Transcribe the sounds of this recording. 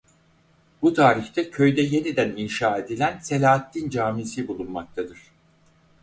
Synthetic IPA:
but̪ʰaːɾiçt̪ʰɛcʰø̞jd̪ɛje̞nid̪æninʃaːe̞d̪ilʲænse̞lʲaːat̪ːʲind͡ʒaːmisibulˠunmak̚t̪ʰad̪ɯɾ̥

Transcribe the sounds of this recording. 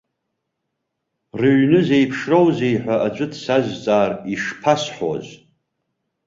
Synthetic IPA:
rɨɥnɨzejpʰʂrowzejħʷaʔad͡ʒʷʼɨdʰsaʒʷt͡sʼaːriʂpʰasħʷo̰z

